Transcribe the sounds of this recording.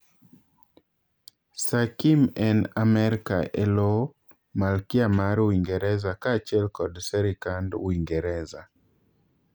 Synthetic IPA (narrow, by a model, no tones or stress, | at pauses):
sakimɛnamɛɾka̰ʔɛlo | malkiamaɾwiŋɡɛɾɛzakaːt͡ʃɛlkɔdsɛɾikandwiŋɡɛɾɛza